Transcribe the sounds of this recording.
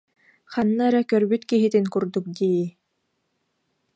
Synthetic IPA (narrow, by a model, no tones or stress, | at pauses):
χanːaɾakœɾbyt̪kiɦit̪inkuɾd̪uk̚d̪iː